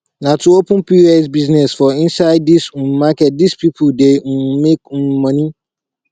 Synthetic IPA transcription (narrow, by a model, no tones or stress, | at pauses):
nãtʰʊ̃wopʊ̃piɛs̬biznɛsfɔĩnsaɪd̚ːisũn̩makɛt̚dispʰipʰuden̩mẽk̩mãnĩ